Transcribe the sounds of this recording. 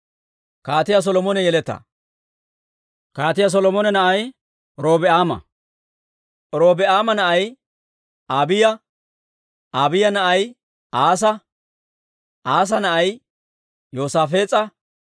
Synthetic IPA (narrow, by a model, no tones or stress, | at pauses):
kaːt̪ɪjas̬ɔlɔmɔnɛjɛlɛt̪ːɐ̰ | kaːt̪ɪjas̬ɔlɔmɔnɛnɐʔɐj | ɾo̞ːbɛaːmɐ̰ | ɾoːbɛʔaːmɐnɐʔɐj | aːbɪjɐ | ʔaːbɪjɐnɐʔɐj | aːs̬ɐ | ʔaːs̬ɐnɐʔɐj | joːsaːfe̞ːt͡sʼːɐ